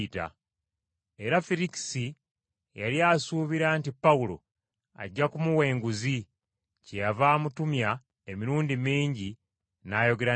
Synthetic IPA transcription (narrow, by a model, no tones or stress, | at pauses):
ta̰ | e̞ɾafiliki̥si | ja̰liasuːβiɾaːntipːawulo̞̰ | a̰ɟːakumuwe̞ːŋɡuzi | cejavaːmutumja | emiɾuːndimiːɲɟi | naːjo̞ɡe̞ɾa